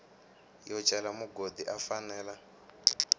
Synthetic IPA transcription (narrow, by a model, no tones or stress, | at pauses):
jɔt͡ʃʼɛlamuɡodiʔafanɛːla